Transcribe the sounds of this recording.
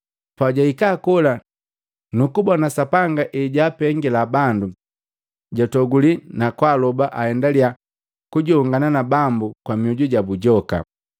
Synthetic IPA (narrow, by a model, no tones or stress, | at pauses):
paɟaikaːkɔla | nukubɔnasapaŋɡaʔiɟaːpɛŋɡɛlabandu | ɟɔtɔɡulinakwalɔbaʔahɛndalia | kuɟɔːŋɡananabambukwamiuɟuɟabuɟɔka̰